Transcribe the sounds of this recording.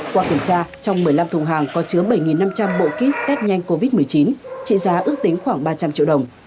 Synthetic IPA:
kwaː˧ki˧˩əmt͡ɕaː˧t͡ɕɔ˧wŋ͡mmɨ˨˩əjla˧mt̪ʰʊ˨˩ŋɦaː˨˩ŋkɔ˨˦t͡ɕɨ˨˦əɓə˧˩jŋi˨˩nːa˧mt͡ɕa˧mɓo̰˧˨ki˦˥t̪ɛː˦˥p̚ɲa˧jŋ̟ko˧vi˦˥t̚mɨ˨˩əjt͡ɕi˨˦nt͡ɕḭ˧˨zaː˨˦ʔɨ˦˥ək̚t̪ï˨˦ŋ̟xwaː˧˩ŋɓaː˧t͡ɕa˧mt͡ɕḭ˧əɗə˨˩wŋ͡m

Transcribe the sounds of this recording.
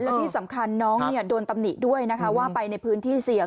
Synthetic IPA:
lɛ˦˥t̪ʰiː˥˩sa˩˦mkʰa˧nːɔː˦˥ŋni˥˩ɐdoː˧nt̪a˧mni˨˩t̪̚du˥˩əjna˦˥kʰa˦˥waː˥˩pa˧jna˧jpʰɯː˦˥nt̪ʰiː˥˩si˩˦ə

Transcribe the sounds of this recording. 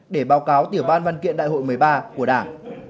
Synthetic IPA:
ɗe˧˩ɓaː˨˦wkaː˨˦wt̪i˧˩əwɓaː˧nvaː˧nkḭ˧˨ənɗa̰ː˧˨jho̰˧˨jmɨ˨˦jɓaː˧ku˧˩əɗaː˧˩ŋ

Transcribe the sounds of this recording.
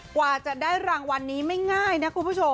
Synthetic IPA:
kwaː˨˩t͡ɕa˨˩daː˥˩jɾaː˧ŋwa˧nːiː˦˥ma˥˩jŋaː˥˩jna˦˥kʰu˧n˧pʰu˥˩t͡ɕʰo˧

